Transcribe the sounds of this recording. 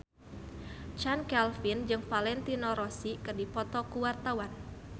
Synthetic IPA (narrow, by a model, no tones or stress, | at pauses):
t͡ʃankɛlfind͡ʒɨŋfalɛnt̪inɔɾɔsikɨrdipɔt̪ɔkuwart̪awan